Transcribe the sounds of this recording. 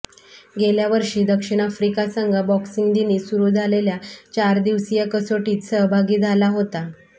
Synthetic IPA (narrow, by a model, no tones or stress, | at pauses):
ɡeljaʋəɾʂiːd̪əkʂiɽ̃afɾikasəŋɡʱabɔksiŋɡd̪iniːsuɾuːd͡zʱaleljat͡ɕaɾd̪iʋsijakəsoʈiːt̪səɦbʱaɡiːd͡zʱalaɦot̪a